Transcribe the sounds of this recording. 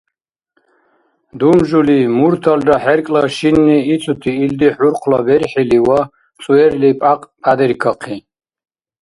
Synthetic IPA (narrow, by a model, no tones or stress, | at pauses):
d̪umʒulimuɾt̪ʰaldaħɛrkʼlaʃinːiːt͡sʰut̪ʰiːld̪iħuɾqʰlabɛɾħiliwa | t͡sʼuɛrlipʼaqʼpʰʼad̪ɛɾkʰaqʰi